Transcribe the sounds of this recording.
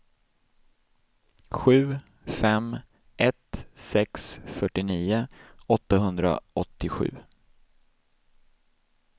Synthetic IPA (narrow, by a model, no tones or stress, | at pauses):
ɧʉ̟ː | fɛm | ʔɛt̪sɛksfœʈːɪniːʊɔt̪ːaɦɵnd̪ɾa̰ɔt̪ːɪɧʉ̟̰ː